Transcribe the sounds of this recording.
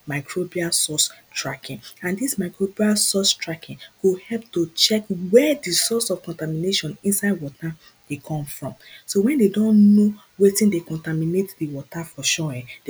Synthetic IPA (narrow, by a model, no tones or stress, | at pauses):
maɪkʰɹobialsɔstɹakĩŋãndismaɪkɹobialsɔstɹakʰĩnkuhɛlp̚tot͡ʃɛkwɛdisɔsɔv̥kɔ̃ntamineʃɔ̃nĩnsaɪdwɔta | d̥ekʰɔ̃mfɹɔ̃msowɛ̃ndedõnno | wetĩndekɔ̃ntaminetdiwɔtafɔʃɔɛ̃de